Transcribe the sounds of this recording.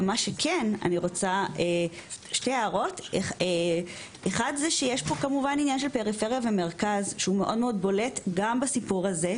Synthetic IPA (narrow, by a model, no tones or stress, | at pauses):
maʃekʰena̰niʁo̞t͡saʔeʃtejaːʁo̞teχe | eχadzeʃejeʃpo̞kamuvaninjanʃelpe̞ʁifeʁijaveme̞ʁkazʃeume̞ʔo̞dmeo̞d̚bo̞letɡambasipuʁaze̞